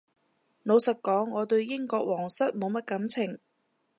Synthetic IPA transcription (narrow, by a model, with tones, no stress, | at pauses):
no˨˧wsɐ˨t̚kɔː˨˥ŋːɔː˨˧t̪ɵ˧ɥjɪ˥ŋkɔː˧k̚wɔː˨˩ŋsɐ˥t̚mo˨˧wmɐ˥t̚kɐ˨˥mt͡sʰɪ˨˩ŋ